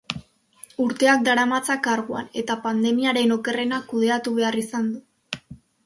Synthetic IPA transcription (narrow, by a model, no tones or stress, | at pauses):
uɾt̪e̞ak̚d̪aɾamat͡sakaɾɣua̰ne̞t̪apand̪e̞miaɾe̞no̞ke̞re̞nakuð̞e̞at̪uβ̞e̞arisand̪u